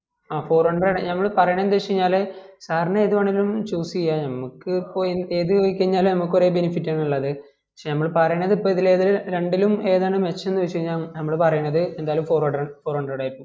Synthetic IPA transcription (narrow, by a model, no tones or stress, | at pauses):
aːfo̞ːrɐɳɖreɽnɐmːɐɭpɐrɐjɳend̪ɨʋet͡ɕːiɲːaːlɨsaːɾɐɳɐeːðuʋɐɳːilumt͡ɕuːsijanɐmːukːɨpːoːeːðɨoikʲːɐɲːaːlnɐmukːoɾe̞ːbenifitːaːɳuɭːɐðɨ | pɐkʂenɐmːɐɭpɐrɐjuɳːɐðipːoːiðileðilɾe̞ɳɖilume̞ːðeɳɨmet͡ɕːɐmenːuʋet͡ɕːiiɲːaːnɐmːɐɭpɐrɐjunːɐðɨend̪aːjɐlumfo̞ːrɐɽfoːrɐɳɖrɽaːjiɾikːum